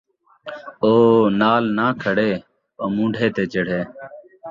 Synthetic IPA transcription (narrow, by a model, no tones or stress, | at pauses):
oːnaːlnaːkʰəɽeː | oːmũːɳɖʱeːt̪eːt͡ʃəɽ̤eː